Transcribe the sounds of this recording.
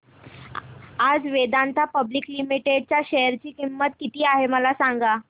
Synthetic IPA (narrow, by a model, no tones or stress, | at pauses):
ad͡zʋed̪ant̪ʰapəbliklimiʈeɖ̚t͡ɕjaɕejəɾt͡ɕiːkimːət̪kit̪iːaɦeməlasãŋɡa